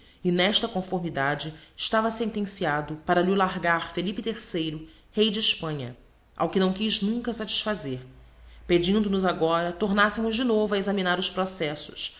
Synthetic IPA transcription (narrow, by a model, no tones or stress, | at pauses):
ɪnɛʃt̪ɐkõfoɾmid̪ad͡ʒɪʃt̪avɐsẽnt̪ẽsiad̪ʊpaɾɐlilaɾɡaɾfelipɪt̪eɾsejɾʊ | hejd͡ʒɪːʃpɐ̃ɲɐ | a̰wkɪnɐ̃w̃kiznũŋkɐsat͡ʃi̥ʃfazeɾ | ped͡ʒĩnd̪ʊnʊzaɡɔɾɐt̪oɾnasemʊzd͡ʒɪnovʊɐezaminaɾʊʃpɾosɛsʊ̥̰s